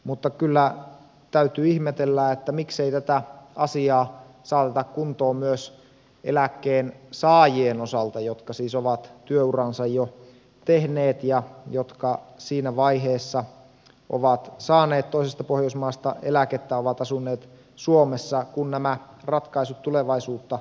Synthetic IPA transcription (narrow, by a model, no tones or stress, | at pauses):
mut̪ːɑkylːæ | t̪æyt̪yːihmet̪elːæet̪ːæmikseit̪æt̪æɑsiɑː | sɑːt̪et̪ɑkkunt̪oːmyøs | ḛlækːeːnsɑːjienosɑlt̪ɑjot̪kɑsiːsoʋɑt̪t̪yøurɑnsɑjjo | t̪ehneːt̪jɑjot̪kɑsiːnæʋɑiɦeːsːɑ | ʔo̰ʋɑt̪sɑːneːt̪t̪oisest̪ɑpohjoismɑːst̪ɑʔelæket̪ːæoʋɑt̪ɑsunːeːt̪ | suomesːɑkunnæmæ | rɑt̪kɑisut̪ːuleʋɑisuːt̪ːɑ